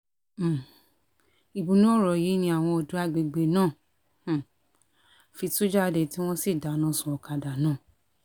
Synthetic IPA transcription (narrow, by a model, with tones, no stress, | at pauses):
i˨bũ˧nũ˦ɔ˦˨ɾɔ˨ji˨˦nĩ˧a˨w̃ɔ̃˧o˧du˨˦a˧ɡ͡be˧ɡ͡be˧nãː˦˨ | fi˧tu˦d͡ʒa˦˧de˨ti˦w̃ɔ̃˦si˦˨da˨˦nã˨˧˦sũ˨ɔ˨ka˧da˨nãː˦˨